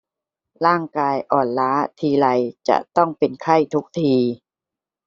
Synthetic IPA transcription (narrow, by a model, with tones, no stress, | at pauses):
ɾaː˥˩ŋkaː˧jʔɔː˨˩nlaː˦˥t̪ʰiː˧la˧jt͡ɕa̰˨˩ʔt̪ɔ˥˩ŋpe˧nkʰa˥˩jt̪ʰu˦˥k̚t̪ʰiː˧